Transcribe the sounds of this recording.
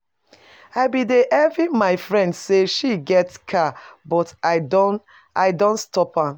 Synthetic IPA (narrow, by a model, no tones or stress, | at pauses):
aɪbideʔɛvimaɪfɹɛ̃ndseʃiɡɛtskʰabɔtaɪdõn | aɪdõntstɔpa